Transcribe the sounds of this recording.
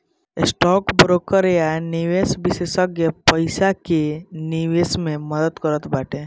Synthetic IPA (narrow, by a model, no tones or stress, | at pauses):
ɪsʈɔːkbɾokəɾjaniʋesbɪsesəkjepəɪsakeniʋesmẽməd̪ət̪kəɾət̪baːʈʰẽ